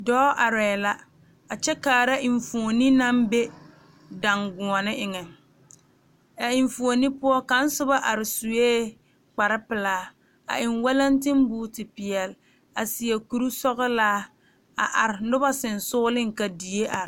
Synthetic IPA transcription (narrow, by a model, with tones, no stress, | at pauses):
dɔː˦ʔa˨ɾɛː˨la˦ | a˨t͡ʃɛ˦kaː˨ɾa˦ʔɪ˨ɱ˨fu˨o˨ni˦na˦mbe˦ | da˨ŋɡʊ˨ɔ˨nɪ˦ʔɪ˨ŋɛ˨ | ɛ˨ɪ˨ɱfu˨o˨ni˦pʊ˦ɔ˦ka˨˦n̩˦sʊ˦ba˦ʔa˨ɾɪ˨su˨eː˦ | k͡pa˨ɾɪ˦pɪ˨laː˦ | a̰˨ʔɪ˨nwɛ˦la˦ntɪ˦m˦buː˦tɪ˨pɪ˨ɛ˨l | a˨sɪ˨ɛ˨ku˨ɾu˦sɔ˦ɣɔ˦laː˦ | a̰˨ʔa˨ɾɪ˨nʊ˦ba˦sɪ˨nsʊː˦lɪ˦ŋ˨ka˨di˨e˦ʔa˨ɾɪ˨